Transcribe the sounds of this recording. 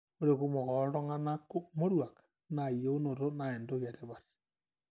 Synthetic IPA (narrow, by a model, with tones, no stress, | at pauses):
o˦ɾe˨ku˦mo˨ɣɔ˨ɾo˦ŋa˦na˦ko˦mo˦ɾwa˨kḁ | na˨ijo˦o˦no˨to˦nae˨ndo˦ɣja˨te˦βa˨te̥